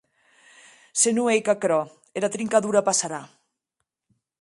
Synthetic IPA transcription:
senuejkakɾɔ | eɾat̪ɾiŋkaðuɾapasaɾa

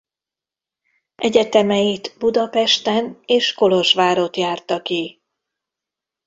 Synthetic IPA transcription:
ʔɛɟɛt̪ɛmɛjit̪bud̪ɒpɛʃt̪ɛneːʃko̞lo̞ʒʋaːɾo̞t̪jaːrt̪ɒki

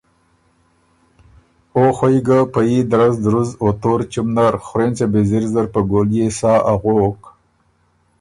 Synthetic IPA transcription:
oxojɡapajid̪aɾazd̪ɾuzot̪oɾt͡ʃumnaɾxʊɾent͡sebeziɾzaɾpəɡoljesɑːʔaɣok

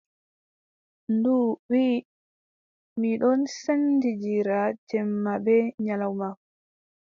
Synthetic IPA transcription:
nduwi | miɗɔnsandid͡ʒiɾad͡ʒɛmːabɛɲalawma

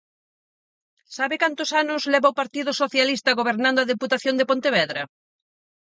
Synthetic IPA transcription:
saβɪkant̪ʊsanʊszlɛβawpaɾt̪iðʊsoθjalist̪ɐɣoβ̞eɾnand̪ʊaðeput̪aθjond̪epont̪eβɛðɾɐ

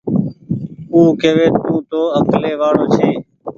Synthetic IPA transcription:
uːkeːʋeːt̪ːũːt̪oːəkleːʋaːɽoːt͡ʃʰeː

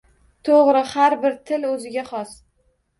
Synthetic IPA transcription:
t̪ʰoʁɾɪhaɾbɪɾt̪ʰɪlɵzɪɡʲaχɒs

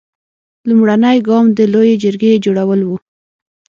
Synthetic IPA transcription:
lumɽanəjɡɑmd̪əlojed͡ʒəɾɡed͡ʒoɽawəlwu

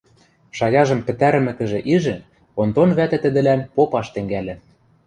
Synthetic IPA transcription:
ʃɑjɑʒɤ̆mpɘ̆t̪æɾɘ̆mɘ̆kɘ̆ʒĕʔiʒɘ̆ | ont̪onβæt̪ɘ̆t̪ɘ̆d̪ɘ̆lænpopɑʃt̪ɘ̆ŋɡælʲɘ̆

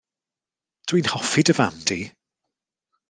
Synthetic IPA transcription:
d̥uwinhɔfɪdəva̰mdi

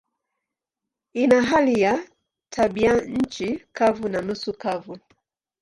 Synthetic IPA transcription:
inaɦalija | tʰaɓiaɲ̩t͡ʃikavunanusukavu

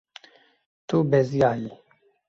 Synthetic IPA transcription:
t̪ubɛzijaːji

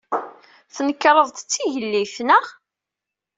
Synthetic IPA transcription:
θnəkːɾˤəðˤt̪t͡sːiʝəlːifnəʁ

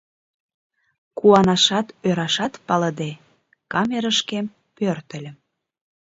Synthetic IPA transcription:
kuɑnɑʃɑt̪øɾɑʃɑt̪pɑləd̪e | kɑmeɾəʃkem | pørt̪ə̆lʲə̆

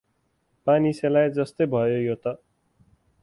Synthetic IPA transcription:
paniselajd͡zʌst̪ojbʱʌjojot̪ʌ

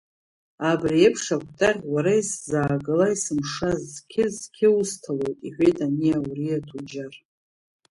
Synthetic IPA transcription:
abriepʰʂakʷʰʼtʼaʁʲwaɾaiszaːɡɨlaisɨmʂazkʲʰɪzkʲʰɪustʰalo̞jtʼiħʷᶣejtʼanijawuriatʰud͡ʒar

